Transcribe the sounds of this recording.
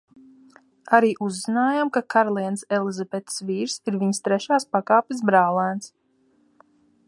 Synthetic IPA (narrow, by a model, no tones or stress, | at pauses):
aɾiːʔuzzinaːjamkakaɾlˠiɛnsɛlˠizabɛt̪sviːɾsiɾviɲst̪ɾɛʃaːspakaːpʲis̬bɾaːlˠaːns